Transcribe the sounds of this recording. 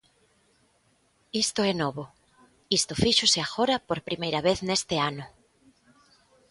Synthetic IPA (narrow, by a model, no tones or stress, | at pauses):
ist̪ʊɛnɔβo | ist̪ʊfiʃʊsɪaxoɾɐpoɾpɾimejɾɐβeθnest̪ɪanʊ